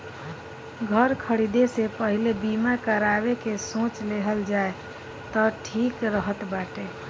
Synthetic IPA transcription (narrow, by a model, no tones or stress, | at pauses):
ɡʱəɾkʰəɽid̪esepəɦilebimakəɾabekesõt͡ʃleɦəld͡ʒae | t̪əʈʰikɾəɦət̪baʈe